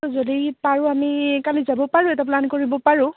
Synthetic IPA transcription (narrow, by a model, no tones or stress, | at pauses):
zodipaɹʊ̃amikalizabɔpaɹʊ̃ɛtɛplankoɹibɔpaɹʊ̃